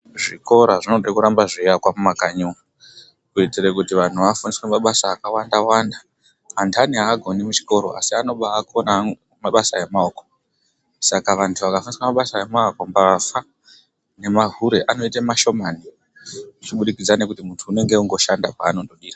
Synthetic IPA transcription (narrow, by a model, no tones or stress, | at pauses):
ʐiko̞ɾaʐino̞ɗekuɾambaʐijakwamumakaɲua | kuetirekutiʋan̤uʋafuniswemaɓasaːkawandawandaː | ntʰaniɦaɡʱo̞nimut͡ʃi̥ko̞ɾo̞̰a̰siano̞ɓaːkona | maɓasaemaoko | sakaʋantʰuʋakafuniswemaɓasaemaakombafa | ne̞maɦuɾe̞ʔano̞itamaʃo̞mani | ut͡ʃiɓuɗikid͡zane̞kutimuntʰuːne̞ŋɡeuŋɡo̞ʃandapaːno̞doɗiːra